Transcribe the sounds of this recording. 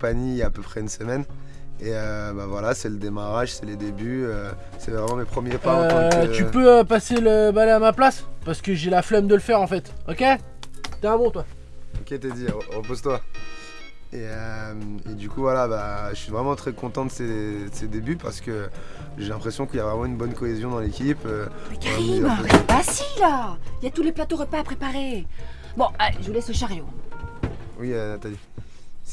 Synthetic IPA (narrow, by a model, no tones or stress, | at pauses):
kpaɲijaːpøpχɛynsəmɛn | eøbavwalasɛləd̪emaʁaʒsɛled̪ebyø | sɛvʁɛmɑ̃mepχəmjepat̪ypøøpaseləbalɛamaplaspaʁsə̥kəʒelaflɛmd̪əlfɛʁɑ̃fɛt̪ɔkʲe | t̪ɛ̃bɔ̃t̪wa | ɔkʲet̪ed̪iʁəpozt̪wa | eømed̪ykuvwalabaʒəsɥivʁɛmɑ̃t̪χɛkɔ̃t̪ɑ̃d̪əsedsed̪ebypa̰ʁsə̥kʲə | ʒelɛ̃pχesjɔ̃kiljavʁɛmɑ̃ynbɔnkɔezjɔ̃d̪ɑ̃lekʲipøsɛkaʁimasilailjat̪uleplat̪oʁəpaːpχepaʁe | bɔ̃alʒəvulɛsəʃaʁjo | wiøt̪ad̪i